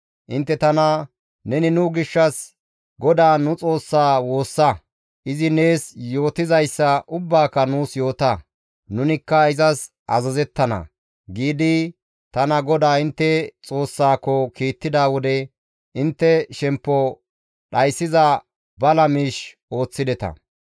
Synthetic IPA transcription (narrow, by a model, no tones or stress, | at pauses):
ʔɪnt̪ːɛt̪ɐnɐ | nɛnɪnʊɡɪʃːɐs | ɡɔd̪aːnʊt͡sʼo̞ːsːaːwo̞ːsːɐ | ʔɪzɪne̞ːsjo̞ːt̪ɪzɐjsːɐʔʊbːaːkːɐnuːsjo̞ːt̪ɐ | nʊnɪkːɐɪzɐs | ʔɐzɐzɛt̪ːɐnɐ̰ | ɡiːd̪ɪ | t̪ɐnɐɡɔd̪aːɪnt̪ːɛt͡sʼo̞ːsːaːkːɔkiːt̪ːɪd̪aːwɔd̪ɛ | ʔɪnt̪ːɛʃɛmpːɔ | ɗɐjsːɪzɐ | bɐlɐmiːʃ | o̞ːt͡sːɪd̪ɛt̪ɐ̰